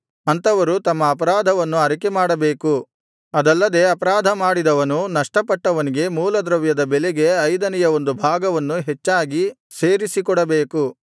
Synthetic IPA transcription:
ɐnt̪ɐʋɐɾut̪ɐmːɐːpɐɾaːd̪ʱɐʋɐnːuɐɾikemaːɽɐbe̞ːku | ɐd̪ɐlːɐd̪e̞ːɐpɐɾaːd̪ʱɐmaːɽid̪ɐʋɐnunɐʂʈɐpɐʈːɐʋɐniɡe̞muːlɐd̪ɾɐʋjɐd̪ɐbeleɡe̞ɐjd̪ɐnɛjɐo̞nd̪ubʱaːɡɐʋɐnːuɦet͡ʃːaːɡi | seːɾisikɔɽɐbeːku

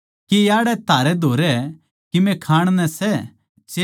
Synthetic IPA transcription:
kijaːɽɛt̪aːɾɛd̪ʱoːɾɛ | kimɛ̃kʰaːɽ̃nɛ̃sɛ | t͡ʃe

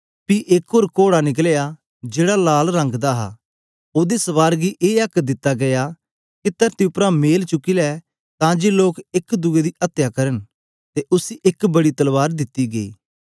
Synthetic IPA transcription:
piʔɪkoːɾkoːɽanɪk̬leja | d͡ʒeːɽalaːlɾɐ̃ŋɡd̪aɦa̰ | oːd̪esɐʋaːɾɡiʔeːɐkd̪ɪt̪ːaɡɐja | kit̪əɾt̪iʊpɾãmeːlt͡ʃʊkilɛː | t̪ãːd͡ʒeloːkɪkd̪ʊɡed̪iʔɐt̪ːjakɐɾən | t̪eʔʊsiʔɪkbɐɽit̪ɐlʋaːɾd̪ɪt̪ːiɡɐḭː

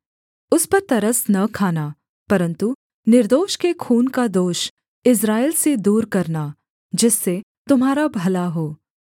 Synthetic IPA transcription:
ʊspɐɾt̪ɐɾəsnɐkʰaːna | pɐɾə̃nt̪u | nɪɾd̪oːʃkekʰuːnkad̪oːʃ | ɪs̬ɾaːɪlsed̪uːɾkɐɾna | d͡ʒɪsːe | t̪ʊmɦaːɾabʱɐlaɦoː

